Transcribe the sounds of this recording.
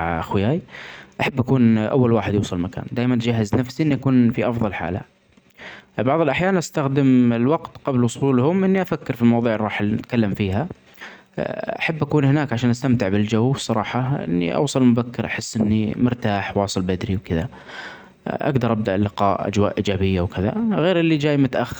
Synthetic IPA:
ʕʔaxwɪjaːjʔaħabːʔakuːnʔa̰wːalwaːħɪd̪juːsˤɑlmaka̰ːnd̪aːjmanʔt̪d͡ʒaɦːaznafsiʔɪnːiʔakuːnfiʔɑfðˤɑlħa̰ːla̰ | bɑʕðˤɪlʔaħjaːnʔast̪axd̪ɪmɪlwɑɡt̪qɑblwʊsˤuːlhʊmʔɪnːiʔafakːɪɾfilmɑwɑðˤuːʕɪɾˤɑːħt̪kalːamfiːɦa | ʔaħabːʔakuːnhɪnaːkʕaʃaːnʔast̪amt̪ɪʕbɪld͡ʒawːbsˤɑɾˤɑːħɑʔɪ̰nːḭʔɑ̰wsˤɑllmʊbakːɪɾʔaħɪsːʔɪnːimʊɾt̪aːħwɑːsˤɨlbad̪ɾiwkɪða | ʔa̰ɡd̪ɑɾˤʔab̚d̪aʔlɪqɑ̰ːʔa̰d͡ʒwaːʔʔiːd͡ʒaːbɪjːawkɪða̰ɣeːɾʔɪlːid͡ʒaːjmʊt̪aʔaxːɪɾ

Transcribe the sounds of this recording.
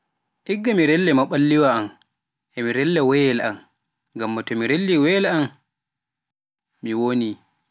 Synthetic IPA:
ʔiɡːamiɾɛlːɛmaɓalːiwaam | ʔɛmiɾɛlːɛwɛjɛlʔa̰m | ŋɡamːatɔmiɾelːiwɛlam | miwoni

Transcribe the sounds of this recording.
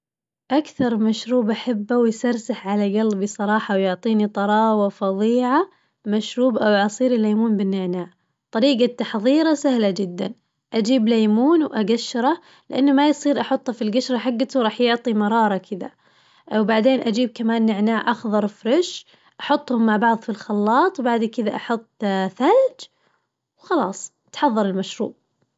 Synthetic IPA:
ʔakθɑɾˤmaʃɾuːbʔaħabːawjsɑɾsaħʕalaɡalbisˤɑɾˤɑːħɑwjʊʕt̪ˤiːnit̪ˤɑɾˤɑːwafɑðˤiːʕa | maʃɾuːbʔawʔɑsˤiːɾɪlːajmuːnbɪnːɪʕnaːʕ | t̪ˤɑɾiːɡat̪ːɑħðˤiːɾasahlad͡ʒɪd̪ːa̰n | ʔad͡ʒiːblajmuːnwʔaɡaʃːɾˤɑ | lɪʔanːamajsˤiːɾʔɑħʊt̪ˤːhafilɡaʃɾˤɑħaɡːat̪wɾˤɑːħjʊʕt̪ˤimɑɾˤɑːɾˤɑkʰɪd̪a̰ | wbaʕd̪eːnʔad͡ʒiːb̚kamaːnːɪʕnaːʕʔɑxðˤɑɾˤfɾɪʃ | ʔɑħʊt̪ˤːhʊmːaʕbɑʕðˤfilxɑlːɑːt̪ˤwbaʕd̪kɪd̪aʔɑħʊt̪ˤːθald͡ʒ | wxɑlɑ̰ːsˤ | t̪ħɑðˤːɑɾˤɪlmaʃɾṵːb̚

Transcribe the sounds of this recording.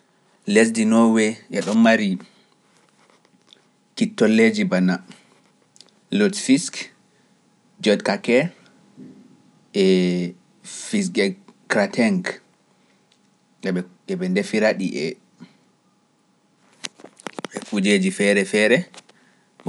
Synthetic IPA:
les̬dinɔwɛʔɛɗɔnmaɾi | kitːɔlːed͡ʒibana | lɔtfisk | d͡ʒɔdkakɛ | ɛ | fis̬ɡɛkɾatʰɛŋk | ɛɛ | ɛbɛndefiɾaɗiʔɛ | ɛfud͡ʒed͡ʒifɛɾɛfɛɾɛ

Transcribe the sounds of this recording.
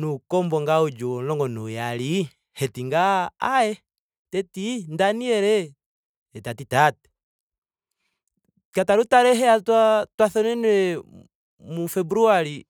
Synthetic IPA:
nukɔmbɔŋɡaud͡ʒɔlɔŋɡɔnujali | hɛtiŋɡaaɛ | tɛtindaniɛɾɛ | ɛtatitatɛ̥ | kataɾutaɾɛɦɛatwatwaθɔnɛnɛ | mufɛbɾuaɾi

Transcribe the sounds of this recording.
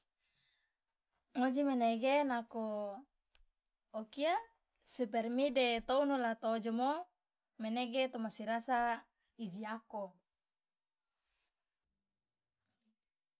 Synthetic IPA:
ŋod͡ʒimeneɡenako | kia | supɛrmidet̪ounulat̪od͡ʒomo | meneɡet̪omasiɾasa | id͡ʒiako

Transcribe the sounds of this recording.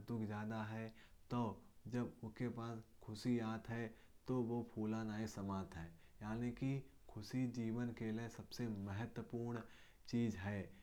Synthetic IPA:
d̪ʊkʰd͡ʒjaːd̪aɦɛt̪oːd͡ʒɐbʊskepaːskʰʊsijaːt̪ɦɛ | t̪oʋopʰuːlãnaːisɐmãːt̪ɦɛːjaːniki | kʰʊsid͡ʒiːʋənkeliesɐbseməɦət̪wəpuːɾɳ | t͡ʃiːzɦɛː

